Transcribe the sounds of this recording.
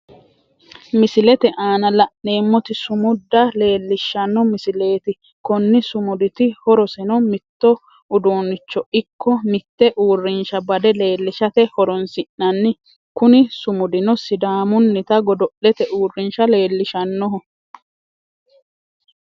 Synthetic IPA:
mɪsɪlɛt̪ɛʔaːnɐlɐʔneːmːɔt̪ɪsʊmʊd̪ːɐle̞ːlːɪʃːɐnːɔmɪsɪle̞ːt̪ɪ | kɔnːɪsʊmʊd̪ɪt̪ɪhɔɾɔsɛnɔmɪt̪ːɔ | ʔʊd̪oːnːɪt͡ʃːɔʔɪkːɔmɪt̪ːɛʔuːrːɪnʃɐbɐd̪ɛle̞ːlːɪʃɐt̪ɛhɔɾɔnsɪʔnɐnːɪ | kʊnɪsʊmʊd̪ɪnɔsɪd̪aːmʊnːɪt̪ɐɡɔd̪ɔʔːɛt̪ɛʔuːrːɪnʃɐle̞ːlːɪʃɐnːɔɦɔ

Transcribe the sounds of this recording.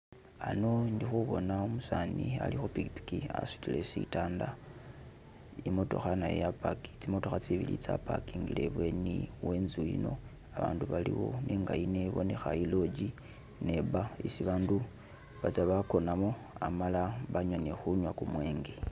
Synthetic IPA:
ano̞ndixuβo̞naomusania̰lixupiki̥pi̥kia̰su̥tilesitaːnda | imo̞to̞̰xanajjapaki̥t͡simo̞to̞xat͡siβilḭt͡sa̰pakiŋɡile̞βwe̞niwe̞ːnzujḭno̞̰ | aβa̰ːnduβalḭwo̞̰nʔeŋɡajineβo̞ne̞xailo̞d͡ʒi | ne̞βaisiβaːndu | βat͡saβako̞namo̞ | amalaβaɲwonexuɲwakumwe̞ːŋɡe

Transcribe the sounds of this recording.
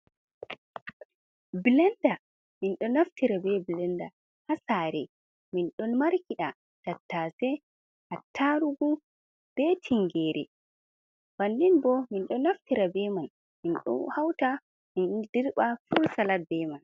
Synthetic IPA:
bilɛnda | minɗɔnaftiɾabɛbilɛnda̰ | hasaːɾɛ | minɗɔnmaɾkiɗa | tatːasɛ | hatʰːaɾuɡu | b̥ɛtʰiŋɡɛːɾɛ̰ | b̥andinbɔminɗɔnaftiɾabɛman | minɗɔ̰hawta | mindiɾɓafuɾsalabɛman

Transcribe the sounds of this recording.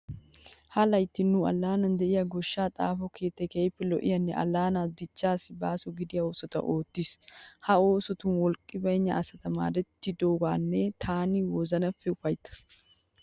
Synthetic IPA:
hɐlɐjt̪ːɪnːuɐ̰lːaːnɐnd̪ɛʔɪjɐɡɔʃːaːt̪ʼa̰ːfɔkʰeːt̪ːɛkejpːɛlɔʔɪ̰jɐnːɛʔɐ̰lːaːnad̪ɪt͡ʃːaːsɪbaːsʊɡɪd̪ɪjɐoːsɔt̪ɐ̰ʔoːt̪ːishɐo̞ːsɔt̪ʊnwɔlkʼɪbɐjɲːɐːsɐt̪ɐma̰ːd̪ɛt̪ːɪd̪oːɡaːnːɛt̪ʰaːnɪwɔzɐnɐfːɛʊfɐjt̪ːɐ̥s

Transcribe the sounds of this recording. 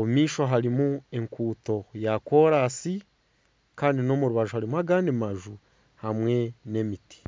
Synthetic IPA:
oumiːʃo̞ɦaɾimue̞ŋkuːto̞jako̞ːɾasi | kaːndino̞muɾuβaʒuhaɾimuaɡaːndimaʒu | hamwe̞ne̞miti̥

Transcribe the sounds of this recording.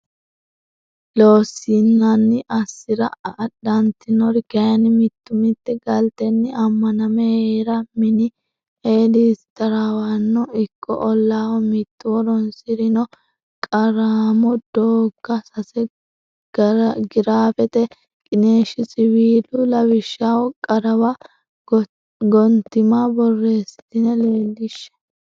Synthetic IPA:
loːsinːɐnːɪʔɐsːɪɾɐɐɗːɐnt̪ɪnɔɾɡɐjɐnɪmɪt̪ːʊmɪt̪ːɛɡɐlt̪ɛnːɪɐmːɐnɐmɛeːɾɐmɪnɪ | eːliːst̪ɐɾawɐnːɔɪkʰːɔ̰ʔɔlːaːwɔmɪt̪ːʊwɔɾɔnsɪɾɪnɔ | kʼɐɾaːmɔd̪̥oːɡːɐsɐsɛ | ɡɪɾaːfɛt̪ɛ | kʼɪne̞ːʃɪsɪwiːlʊlɐwɪʃːaːwɔkʼɐɾɐwɐ | ɡɔnt̪ːɪmabɔrːe̞ːsɪ̥t̪ɪnɛle̞ːlːɪʃːɛ̥

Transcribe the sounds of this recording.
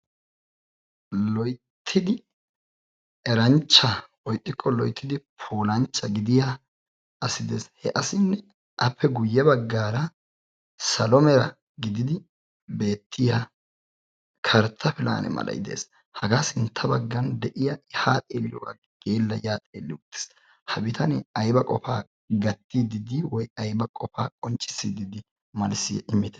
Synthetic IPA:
lɔjt̪ʰːɪd̪ɪ | ɛɾɐnt͡ʃːɐ | ɔjt̪ʼːɪkʰːɔlɔjt̪ːɪd̪ɪpʰoːlɐnt͡ʃːɐɡɪd̪ɪja | ɐsɪd̪eːshɛʔɐsɪnːɛ | ʔɐpʰːɛɡʊjːɛbɐɡːaːɾɐ | sɐlɔmɛɾɐ | ɡɪd̪ɪd̪ɪ | be̞ːt̪ʰːɪja | kʰɐɾt̪ʰːɐfɪla̰ːnɛ̰mɐ̰lʔɐ̰jd̪ḛːs | hɐɡaːsɪnt̪ʰːɐbɐɡːɐnd̪ɛʔɪjɐɪhaːt̪ʼeːlːɪ̰wa̰ɡ | ɡ̥eːlːɐjaːt̪ʼeːlːɪwʊt̪ːɪ̥s | hɐbɪt̪ʰɐnɛɐjbɐkʼɔfaː | ɡɐt̪ːid̪ɪd̪ɪwɔjɐjbɐkʼɔfaːkʼɔnt͡ʃʼːɪ̥sːid̪ɪd̪ɪ | mɐlsɪjɛ̰ʔɪmːɪt̪ɛ̥

